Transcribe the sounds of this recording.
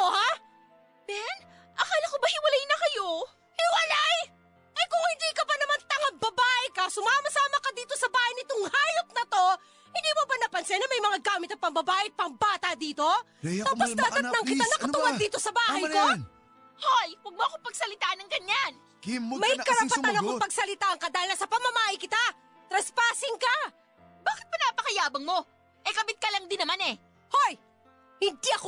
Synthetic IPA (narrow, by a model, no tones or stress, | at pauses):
oha | b̪ɛn | ʔɐkalɐkobɐhɪwɐlajnɐkɐjo | hɪwɐlaj | ʔɐjkʊŋhɪnd̪iːkɐbɐnɐmant̪ɐŋɐbɐbaːʔɛkɐsʊmaːmɐsaːmɐkɐd̪iːt̪o̞sɐbaːhɐjnɪt̪oŋhaːjop̚nɐt̪o̞ | hɪnd̪iːmobɐnɐpɐnsɛnɐmɐjmɐŋaɡaːmɪt̪ɐt̪̚pɐŋbɐbaːʔɪpɐŋbaːt̪ɐd̪iːt̪o̞ | t̪ɐposnɐt̪ɐnɐŋkɪanɐkɐt̪ʊwad̪iːt̪o̞sɐbaːhɐjmo | hojwɐɡ̚moʔɐkopɐɡ̚sɐlɪt̪aːʔɐnɐŋɡɐɲan | mɐjkɐɾɐpɐanɐkoŋpɐɡsɐlɪt̪aːʔɐŋkɐd̪aːhɪlnasɐpɐmɐmaːʔɐjkɪt̪a | t̪ɾɐspaːsɪŋkɐ | baːkɪ̥t̪̚pɐnaːpɐkɐjaːbɐŋmo̞ | ʔɛkɐbɪt̪̚kɐlɐŋd̪ɪnːɐmanɛ | hoj | hɪnd̪iʔɐko